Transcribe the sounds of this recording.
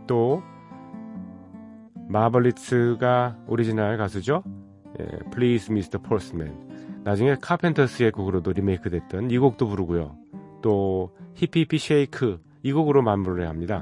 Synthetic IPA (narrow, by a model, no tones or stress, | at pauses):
t͈o | mabʌɭːisʰɯɡaoɾid͡ʑinaɭkas̬ʰɯd͡ʑo | jḛpʰɯlisʰmistʰʌpʰosɯmḛnːad͡ʑuŋe̞kʰapʰe̞ntʰʌs͈ʰɯek͈oɡɯɾodoɾime̞ikʰɯdwe̞t̚t͈ɯniɡok̚t͈opuɾɯɡujo̰t͈ohipʰipʰiɕʰeikʰɯ | iɡoɡɯɾomanmːuɾɯɭɦeɦamɲida